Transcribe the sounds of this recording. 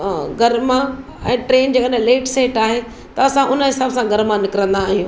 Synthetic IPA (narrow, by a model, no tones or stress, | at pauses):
ɡʱɐɾmã | ɛ̃ːʈɾeːnd͡ʑɐkaɗ̃leːʈseːʈaːɦe | t̪ɐɐsãʔʊnəɦɪsaːbsãɡʱɐɾmãnɪkɪɾə̃nd̪aːɦijũː